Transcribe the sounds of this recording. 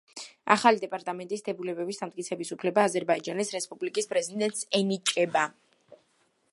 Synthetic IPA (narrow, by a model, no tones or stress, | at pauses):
a̰χalid̪ɛpʼaɾt̪ʼamɛnt̪ʼisd̪ɛbulɛbɛbisd̪amt̪kʼit̪sʰɛbisupʰlɛbaːzɛɾbaid͡ʒanisɾɛspʼublikʼispʼɾɛzid̪ɛnt̪sɛnit͡ʃʼɛba